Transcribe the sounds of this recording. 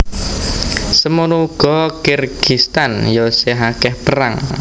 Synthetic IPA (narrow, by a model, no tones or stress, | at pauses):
səmunuuɡ̥ɔ̤kɪrɡ̥ist̪anjɔseɦakɛhpəɾa̰ŋ